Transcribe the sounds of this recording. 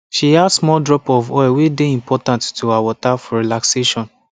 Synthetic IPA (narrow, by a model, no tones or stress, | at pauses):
ʃiadsmɔldɹɔpɔvɔwedeĩmpʰɔtãnttuawɔtafɔɹilakseʃɔ̃n